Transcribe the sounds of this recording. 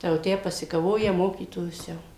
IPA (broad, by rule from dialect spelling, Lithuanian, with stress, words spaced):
ˈtɐɪ jɛʊ ˈtʲæː pɐsʲɪkɐˈʋoːjɛ ˈmoːkʲiːtoːjʊs ˈjɛʊ